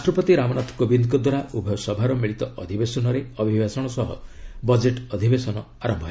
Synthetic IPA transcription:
ɾaʃʈɾɔpɔt̪iɾamɔnat̪ʰɔ̥kɔbind̪kɔd̪waɾaʔubʱjɔsɔbʱaɾɔmiɭit̪ɔʔɔd̪ʱibesɔnɔɾeɔbʱibasɔɽ̃ɔsɔɦɔ̰bɔd͡ʒeʈɔd̪ʱibesɔnɔ | aɾɔmbʱɔɦe

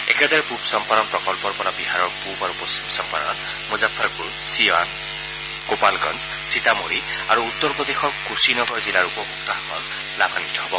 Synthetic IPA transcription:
ḛked̪ɔɹɛpubsɔmpaɾɔnpɹɔkɔlpɔɹpɔɾabiɦaɹɔɹpubaɹupɔsimsɔmpaɾɔ̰n | muzapʰːaɹkuɹ | sian | kopalɡɔn | sitamoɹi | aɹuːt̪ːɔɹpɔd̪exɔɹkusinɔɡʱɔɹzilaɹupɔmuk̚t̪aɦɔkɔ̰l | labʱanit̪ɔɦɔbɔ

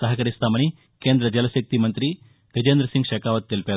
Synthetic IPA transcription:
sɐɦɐkɐɾist̪aːmɐñi | keːnd̪ɾɐd͡ʒɐlɐsɐk̚t̪imɐnt̪ɾi | ʋed͡ʒeːnd̪ɾɐsĩŋɡʃɐːkaːʋɐt̪̚ːelpjaː

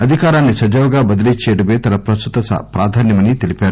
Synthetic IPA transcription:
ɐd̪ʱikaːɾaːnːisɐd͡ʒɐʋwɐɡaːbɐd̪ilit͡ʃːeːɽɐmeːt̪ɐlɐpɾɐst̪ut̪ɐspɾaːd̪ʱaːnjɐmɐnit̪elipaːɾu

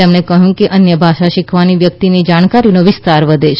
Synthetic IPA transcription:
emnekəɦjũkeʔənjəbʱaʃaʃɪkʰʋaniʋjək̚t̪inid͡ʒaɳ̃kaɾinoʋɪst̪aɾʋəd̪ʱeʃ

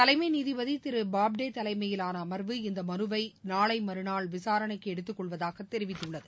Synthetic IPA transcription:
t̪ɐlɐɪmɐɪniːðiʋɐðit̪ɪɾɯbaːb̚ɖeːt̪ɐlɐɪmɐjɪlaːnɐːmɐɾʋɯɪnd̪ɐmɐɾɯʋɐɪnaːɭɐɪmɐɾɯnaːɭʋɪsaːɾɐɳɐɪkːɯɛɽɯt̪ːɯkːɔɭʋɐðaːɣɐt̪ːɛɾɪʋɪt̪ːɯɭːɐðɯ

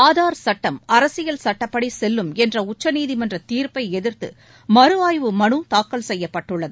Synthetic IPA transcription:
aːðaːɾsɐʈːɐmɐɾɐsɪjɐlsɐʈːɐpːɐɽisɛlːɯmɛndrɐʊt͡ʃːɐniːðimɐndrɐt̪iːɾpɐɪɛðɪrt̪ɯ̰ | mɐɾɯaːjʋɯmɐɳɯt̪aːkːɐlsɛjːɐpːɐʈːɯɭːɐðɯ

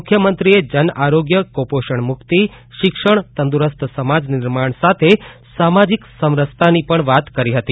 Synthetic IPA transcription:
kʰjəmənt̪ɾied͡ʒənaɾoɡjəkopoʃəɳmʊkt̪i | ʃɪkʃəɳt̪ənd̪uɾəst̪ʰsəmad͡ʒnɪɾmaɳsat̪ʰe | samad͡ʒiksəmɾəst̪ʰanipəɳʋat̪kəɾiɦət̪i

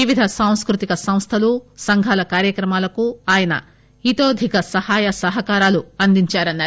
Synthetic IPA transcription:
iʋid̪ʱɐsaːw̃skɾut̪ikɐsɐ̃m̃st̪ʰɐlusɐŋɡʱaːlɐkaːɾjɐkɾɐmaːlɐkuaːjɐnɐ̰ | it̪oːd̪ʱikɐsɐhaːjɐsɐɦɐkaːɾaːluɐnd̪iɲt͡ʃaːɾɐnːaːɾ

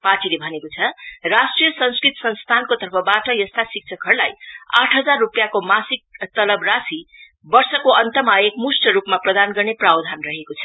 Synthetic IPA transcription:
paʈilebʱʌnekot͡sʰʌrasʈrijʌsʌnskɾit̪sʌnst̪ʰankot̪ʌrpʰʌbaʈʌjʌst̪asik̚t͡sʰʌkɦʌɾulajaʈʰɦʌd͡zarːupjakomasik̚t̪ʌlʌbrasi | bʌrsʌkoʔʌnt̪ʌmaekmusʈʌɾupmaprʌd̪anɡʌrneprabd̪ʱanrʌɦekot͡sʰʌ

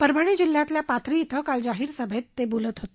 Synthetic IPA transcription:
pəɾbʱəɽ̃id͡ʑil̤ːjãt̪ljapat̪ɾiːt̪ʰəkald͡ʑaɦiːɾsəbʱet̪ːebolət̪ɦot̪e̥

